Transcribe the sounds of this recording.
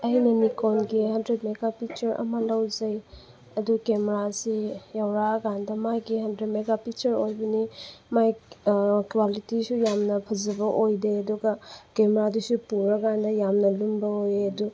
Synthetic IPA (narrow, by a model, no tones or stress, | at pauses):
ɐjnɐnikonɡihɐndɾet̚meɡapik̚t͡ʃɐɾʔɐ̰mɐlɐwzɐj | ɐdukemeɾasijɐwɾaɡandɐmajɡihɐndɾetmeɡapit͡ʃɐɾojbɐnimaj | kwalitisujamnɐpʰɐzɐbɐʔojdeɐduɡɐkemɾadusupuɾɐɡandɐjamnɐlumbɐojeɐdu